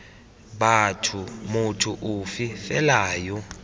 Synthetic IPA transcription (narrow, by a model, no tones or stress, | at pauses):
batʰumutʰuʔufifɛlaːjɔ